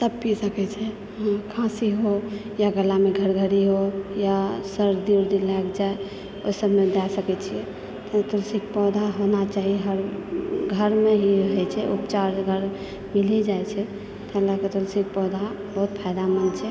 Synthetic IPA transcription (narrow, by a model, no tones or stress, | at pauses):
t̪əbpisəkɛt͡ʃʰɛ | ɦãkʰãsiɦo | jaɡəlameɡʱəɾɡʱəɾiɦojasəɾɾd̪iɾd̪ilakd͡ʒae | oisəbmed̪asəkɛt͡ʃʰijɛ | t̪ət̪ulsik̚pɔd̪ʱaɦonat͡ʃaɦiɦəɾɡʱəɾmeɦiɦɛt͡ʃʰɛʔupt͡ʃaɾd͡ʒɡʱəɾ | milid͡ʒaet͡ʃʰɛ | t̪əlaket̪ulsik̚pɔd̪ʱa | bəɦut̪pʰaɪd̪amənt͡ʃʰɛ